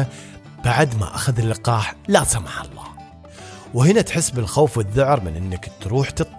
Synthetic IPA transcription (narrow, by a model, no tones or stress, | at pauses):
b̥aʕd̪ma̰ʔa̰xaðɪlːɪqɑːħlasamaħɑ̰lˤːɑ̰ː | whɪnat̪ħɪsːbɪlxoːfwɪðːʊʕɾmɪnʔɪnːɪkt̪ɾuːħt̪ɨt̪ˤ